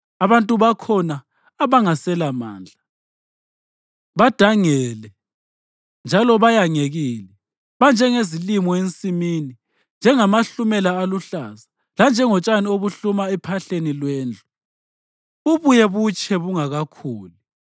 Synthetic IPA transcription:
aβantʼuβakʰɔnaː | βaŋasɛlama̰ːnd͡ɮʱa | βad̥ʱaŋɛlɛ | nd͡ʒʱalɔβajaŋeɣilɛ | βand͡ʒʱɛŋezilimɔent͡sʼimiːni | nd͡ʒʱɛŋamaɬumɛlaːluɬaza | land͡ʒʱɛŋɔt͡ʃʼanioβuɬumaɛpʰaɬenilwɛːnd͡ɮʱu | uβujɛβut͡ʃʼʰɛβuŋaɣakʰuːlu

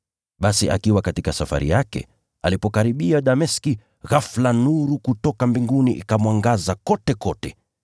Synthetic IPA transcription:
ɓasiʔa̰kiwakatikasafa̰ɾḭjakɛ̰ | a̰lipɔkaɾiɓiaɗamɛski | ɣaflanuɾukutɔkambiŋɡuniʔikamwaŋɡazakɔtɛkɔtɛ

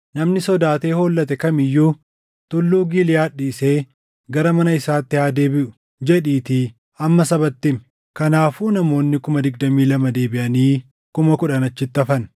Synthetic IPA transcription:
nɐmnɪsɔd̪aːt̪e̞ːhoːlːɐt̪ɛkɐmɪjːuː | t̪ʊlːuːɡilɪjaːᶑiːse̞ː | ɡɐɾɐmɐnɐɪsaːt̪ːɪhaːd̪e̞ːbɪʔʊ̥ | d͡ʒɛᶑiːt̪i | ɐmːɐsɐbɐt̪ːɪm | kɐnaːfuːnɐmo̞ːnːɪkʊmɐd̪ɪɡ̚d̪ɐmiːlɐmɐd̪e̞ːbɪʔɐniː | kʊmɐkʊᶑɐnɐt͡ʃːɪt̪ːɐfɐn

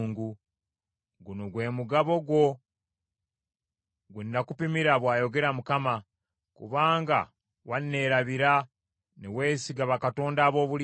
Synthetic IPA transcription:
ŋɡu | ɡuno̞ɡwe̞ːmuɡaβo̞ɡwo̞ | ɡenːakupimiɾaβwaːjo̞ɡe̞ɾamukama | kṵβaːŋɡa̰ | wanːe̞ɾaβiɾa | newe̞ːsiɡaβakato̞ːndaːβo̞ːβul

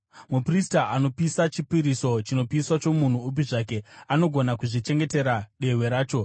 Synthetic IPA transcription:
mupristaʔano̞pisat͡ʃipiɾiso̞t͡ʃino̞piswat͡ʃo̞mun̤uːp̬iʐake̞ano̞ɡʱo̞nakuʐit͡ʃe̞ŋɡe̞te̞ɾaɗe̞we̞ɾaːt͡ʃo̞

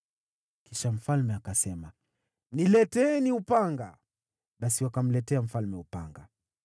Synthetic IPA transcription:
kiʃam̩falmɛakasɛma | nilɛtɛːniupaŋɡa | ɓasiwakam̩lɛtɛam̩falmɛupa̰ŋɡa̰

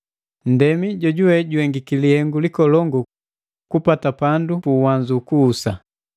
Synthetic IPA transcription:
n̩dɛmiɟɔɟuwɛɟuɛŋɡikilihɛŋɡulikɔlɔŋɡu | kupatapandupuːwaɲd͡ʒukuːsa

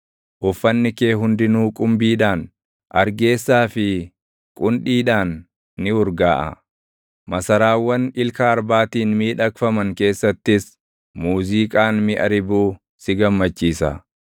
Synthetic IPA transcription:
ʔʊfːɐnːɪkeːɦʊnd̪ɪnuːkʼʊmbiːᶑaːn | ʔɐɾɡe̞ːsːaːfɪ | kʼʊnᶑiːᶑaːnː | ɪʊɾɡaːʔɐ̰ | mɐsɐɾaːwːɐnɪlkɐːɾbaːt̪iːnmiːᶑɐkfɐmɐŋke̞ːsːɐt̪ːɪs | muːziːkʼaːnmɪʔɐɾɪbuː | sɪɡɐmːɐt͡ʃːiːsɐ̰

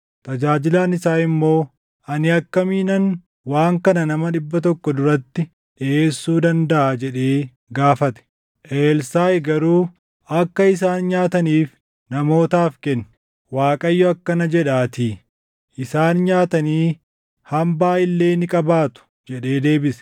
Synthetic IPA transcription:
t̪ʼɐd͡ʒaːd͡ʒɪlaːnɪsaːɪmːo̞ː | ʔɐnɪɐkːɐmiːnɐn | waːŋkɐnɐnɐmɐɗɪbːɐt̪ɔkːɔd̪ʊɾɐt̪ːɪ | ᶑɪʔeːsːuːd̪ɐnd̪ɐʔaːd͡ʒɛᶑe̞ː | ɡaːfɐt̪ɛ̥ | ʔeːlsaːjɡɐɾuː | ʔɐkːɐɪs̬aːnɲaːt̪ɐniːf | nɐmo̞ːt̪aːfkɛnːɪ̥ | waːkʼɐjːɔɐkːɐnɐd͡ʒɛᶑaːt̪iː | ʔɪsaːnɲaːt̪ɐniː | hɐmbaːɪlːe̞ːnɪkʼɐbaːt̪ʊ̥ | d͡ʒɛᶑe̞ːd̪e̞ːbɪsɛ̥

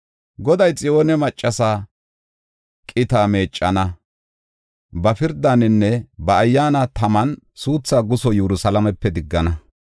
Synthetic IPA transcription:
ɡɔd̪ɐjt͡sʼɪo̞ːnɛmɐt͡ʃʼːɐsaː | kʼɪt̪aːme̞ːt͡ʃʼːɐnɐ | bɐfɪɾd̪anɪnːɛbɐːjːaːnɐt̪ɐmɐnsuːt͡sːaːɡʊsɔjɛɾʊsɐlɐmɛpːɛd̪ɪɡːɐnɐ

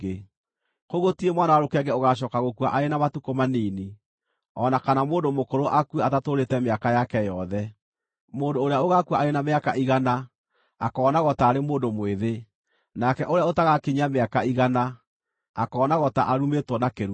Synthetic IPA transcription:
e | koɣotiemwanawaɾokɛɡɛoɣaʃ̬ɔːkaɣokuaʔaɾenamatukomaniːni | ɔnakanamoːndomokoɾoʔakweatatoɾetɛmeakajakɛjɔðɛ | moːndoːɾejaoɣakuaʔaɾenameakaʔiɣana | akɔːnaɣɔtaːɾemoːndomweðe | nakɛʔoɾeaotaɣakiɲameakaiɣana | akɔːnaɣɔta̰ʔaɾumetwɔnakeɾu

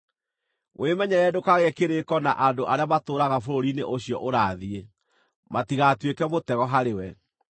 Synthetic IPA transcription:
wʔemɛɲɛɾɛdokaɣɛkeɾekɔnaʔandoʔaɾeamatoːɾaɣafoɾoɾineʔoɕjɔ̰ʔoɾaːðie | matiɣatwekɛmotɛɣɔɦaɾewɛ

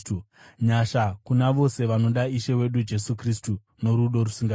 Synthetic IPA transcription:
u | ɲaʃakunaʋo̞se̞ʋano̞ɗaiʃe̞we̞ɗud͡ʒe̞sukris̬tu | no̞ɾuɗo̞ɾusiŋɡa

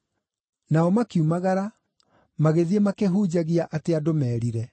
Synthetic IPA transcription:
naɔmakiumaɣaɾa | maɣeðiemakeɦuːd͡ʑaɣiaʔateadomɛːɾiɾɛ

